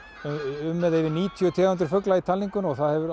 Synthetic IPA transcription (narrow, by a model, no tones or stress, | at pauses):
ʏmːɛðevɪɾniːt̪ʰjœt̪ʰiːahʏnt̪ɾfœklait̪ʰalːiŋkʏnɔɣθaðhɛvʏɾ